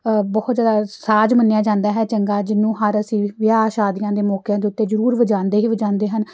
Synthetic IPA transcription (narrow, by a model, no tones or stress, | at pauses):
bɔːt̪zjaːd̪aːsaːd͡ʒmənːeːjaːd͡ʒãːnd̪aːɦɛːt͡ʃəŋɡaːd͡ʒɪnːũːɦəɾəsĩːʋɪjaːʃaːd̪ɪjãːd̪eːmɔːkjãːd̪eːʊt̪ːeːzəɾuːɾʋəd͡ʒãːnd̪eːɦiːʋəd͡ʒãːnd̪eːɦən